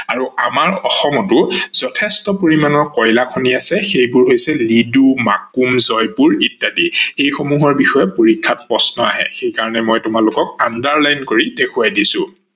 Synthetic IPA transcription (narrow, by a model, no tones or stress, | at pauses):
aɹuamaɹɔxɔmɔtʊz̥ɔtʰɛstɔpoɹimanɔɹkɔjlakʰoniasɛxejbʊɹɦojsɛlidumakumzɔjpʊɹitːadiejxomuɦɔɹbixɔjɛpoɹikʰːat̚pɹɔsnɔa̰ɦɛ̰xejkaɹɔnɛmojtʊmalʊkɔk̚andaɹlajnkoɹidekʰuwajdisʊ̰̃